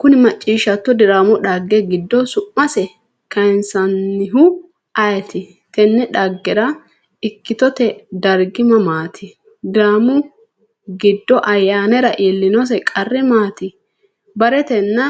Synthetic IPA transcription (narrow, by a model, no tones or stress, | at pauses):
kʊnɪmɐt͡ʃʼːiːʃɐt̪ːɔd̪ɪɾaːmʊᶑɐɡːɛɡɪd̪ːɔsʊʔːɐsɛ | kɐjnsɐnːɪɦʊ | ʔɐjɛt̪ɪ | t̪ɛnːɛᶑɐɡːɛɾɐ | ɪkːɪt̪ɔt̪ɛd̪ɐɾɡɪmɐmaːt̪ʰɪ | d̪ɪɾaːmʊ | ɡɪd̪ːɔʔɐjːaːnɛɾɐʔeːlːɪnɔs̬ɛkʼɐrːɪmaːt̪ɪ | bɐɾɛt̪ɛnːɐ